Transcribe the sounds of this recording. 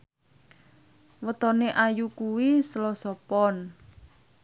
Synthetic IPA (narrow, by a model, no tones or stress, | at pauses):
wət̪ɔneʔajukuwisəlɔsɔpɔn